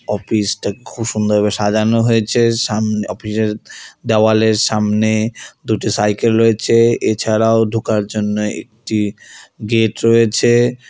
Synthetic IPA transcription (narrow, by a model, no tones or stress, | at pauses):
ɔfisʈakekʰuʃund̪ʱobeʃad͡ʑanoɦojet͡ɕʰeʃamnɔfiʃeɾd̪ɛoaleɾʃamned̪uʈisajkelɾoet͡ɕʰeet͡ɕʰaɾaoɖʱukaɾd͡ʑonːoḛk̚ʈiɡeʈɾojet͡ɕʰe